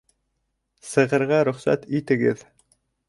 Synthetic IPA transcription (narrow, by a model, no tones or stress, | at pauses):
sɤ̆ʁɤ̆ɾʁɑɾɵ̆χsæ̰t̪it̪ɘ̆ɡɘð